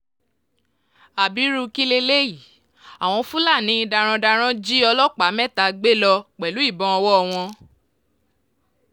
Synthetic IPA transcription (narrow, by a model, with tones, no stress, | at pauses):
a˨bi˨˦ɾu˧ki˦le˧le˦i˨ | a˨w̃ɔ̃˧fũ˦la˦˨nĩ˨˦i˧da˧ɾ̃ã˧da˧ɾ̃ã˦d͡ʒi˦ɔ˧lɔ˦k͡pa˨˦mɛ̃˦˨ta˨˧ɡ͡be˦lɔ˧k͡pɛ˨lu˨˦i˦˨bɔ̃˧˦ɔ˧wɔ˦˧w̃ɔ̃˧